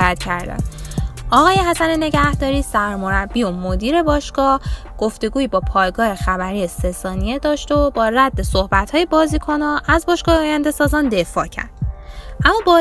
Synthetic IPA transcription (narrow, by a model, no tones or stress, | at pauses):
æt̪cʰæɾd̪æ̰nɒːɣɒːje̞hæsænene̞ɟæhd̪ɒːɾiːsæɾmo̞ɾæbːiːomo̞d̪iːɾe̞bɒːʃɡ̥ɒːh | ɡ̥oft̪e̞ɡuːibɒːpʰɒːjɡɒːhe̞xæbæɾiːjesesɒːnije̞d̪ɒːʃt̪obɒːræd̪ːe̞sohbæt̪hɒːje̞bɒːziːkʰo̞nɒʔæzbɒːʃɡ̥ɒːheɒːjænd̪e̞sɒːzɒːnd̪e̞fɒ̰ːcʰæ̰ɾd̪̥ʔæmːɒːbɒ